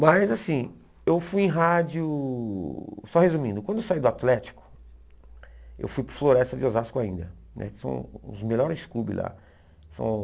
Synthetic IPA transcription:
mɐjzasĩ | ewfujẽɦad͡ʒʊ | sɔhezũmĩnd̪ʊkw̃d̪ʊewsaid̪ʊat̪lɛt͡ʃi̥kʊ̥ | ḛwfujpɾʊɾfloɾɛst̪ɐd͡ʒɪozaskʊaĩnd̪ɐ̰ | nʔɛ̰kɪ̥sɐ̰̃w̃ʊ̰zmeʎɔɾɪzskubḭla̰ | sɐ̰̃w̃

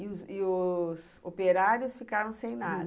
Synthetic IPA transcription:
ʊzɪʊs | opeɾaɾjʊsfikaɾɐ̃w̃sẽj̃nad̪

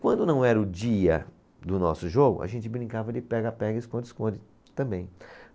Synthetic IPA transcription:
kwɐ̃nd̪ʊnɐ̃w̃ɛɾɐʊd͡ʒiɐ̰ | d̪ʊnɔ̰sʊʒoɡʊ̰ɐ̰ʒẽnt͡ʃɪbɾĩŋkavɐd͡ʒɪpɛɡapɛɡɐɪskõnd͡ʒ̪ɪskõd͡ʒɪ | t̪ɐ̃mbẽj̃

